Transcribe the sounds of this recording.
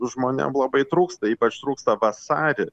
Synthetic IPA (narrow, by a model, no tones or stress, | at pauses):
ʒmoːnʲɛ̰mlˠɐbɐɪt̪ɾuːkst̪ɐiːpɐt͡ʃt̪ɾuːkst̪ɐʋɐsɑːɾʲɪ